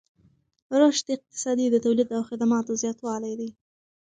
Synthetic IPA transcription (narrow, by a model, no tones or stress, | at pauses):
ɾoʃd̪əɪq̚t̪ɪ̥sɑd̪id̪ət̪awlid̪awxɪd̪amɑt̪ozjɑt̪wɑlajd̪i